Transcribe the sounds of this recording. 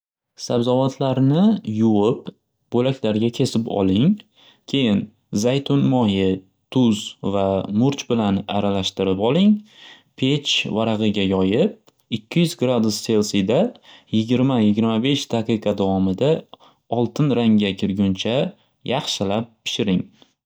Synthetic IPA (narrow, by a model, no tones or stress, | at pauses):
sabzavat̪ʰlaɾnɪjʊwɪp | b̥olakʲlaɾɡʲakʲʰe̞sɪpɒ̰lˠɪŋ | kʲʰe̞jɪn | zajt̪ʰonmɒjɪ | t̪ʰʊzvamʊɾt͡ʃbɪlana̰ɾalaʃt̪ɪɾɪpɒlˠɪŋ | pʰe̞t͡ʃvaɾaʁɨɡʲajɒjɪp̚ | ɪkʲʰːɪjʏzɡɾad̪usːe̞lˠsid̪ajɪɡʲɪɾmajɪɡʲɪɾmabe̞ʃd̪aqɨqʰɑd̪avɒmɪd̪a | ɒlˠt̪ʰɪnɾaŋɡʲakʲʰɪɾɡʲʊnt͡ʃʰa | jɑχʃɪlap̚pʰːɪ̥ʃɪɾɪŋ